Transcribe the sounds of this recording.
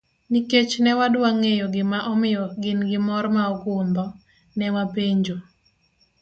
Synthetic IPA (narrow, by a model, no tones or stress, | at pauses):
niket͡ʃnɛwadwaŋejɔɡɪmaʔɔmɪjɔɡɪnɡɪmɔɾmaɔkʊmbɔ | nɛwapeɲd͡ʒo